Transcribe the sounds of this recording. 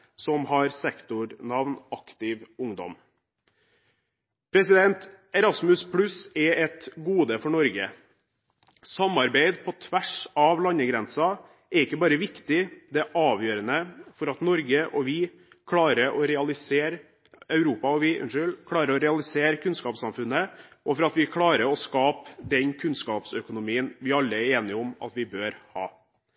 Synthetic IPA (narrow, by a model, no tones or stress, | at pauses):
sɔmhɑɾsɛkt̪ʊɾnɑʋnɑkt̪ɪʋʊŋd̪ɔ̰m | pʰɾɛsɪd̪ɛnt̪ | ɛɾɑsmʉspʰɽʉsɛɛt̪ɡuːd̪əfɔɳɔɾɡə̰ | sɑmɑɾbeɪd̪pʰɔt̪ʰʋæʂɑʋlɑɲəɡɾɛnsɑ | ɛɾɪkːəbɑːɾəʋɪkt̪ɪd̪ɛʔɑːʋjøːɾənəfɔɾɑt̪nɔɾɡəʔɔʋɪ | kʰlɑːɾəʔɔɾɛɑlɪseːɾ | œʉɾuːpɑɔʋɪʔʉ̰nʂʏlkʰlɑːɾəɾɔɾɛɑlɪseːɾkʰʉnskɑːpsɑmfʉnːəʔɔfɔɾɑt̪ʋɪkʰlɑːɾəɾɔskɑːpd̪ɛnkʰʉnskɑːpsœkʊnʊmiːənʋɪɑlːəæɾeːnɪɔmɑ̰t̪ʋɪbøːɾhɑː